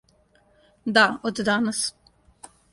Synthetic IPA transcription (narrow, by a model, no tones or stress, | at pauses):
d̪aot̪d̪anəs